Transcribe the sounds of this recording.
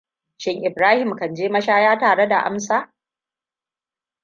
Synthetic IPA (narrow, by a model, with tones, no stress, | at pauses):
ʃɪ˦ŋʔɪ˨bɾaː˦hɪ˨mkɐ˨nd͡ʒeː˦mɐ˦ʃaː˦jaː˦taː˨ɽe˦da˨ʔa̰˦msaː˦˨